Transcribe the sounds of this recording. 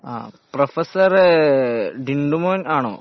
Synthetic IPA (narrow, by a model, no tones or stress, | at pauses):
a̰ːprofɐsɐr | ɖiɳɖumoːnaːɳo̰ː